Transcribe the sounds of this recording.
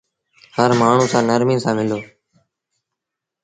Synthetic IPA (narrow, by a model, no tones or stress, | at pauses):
həɾmaːɳ̤ũːsãːnəɾmĩːnsãːmɪloː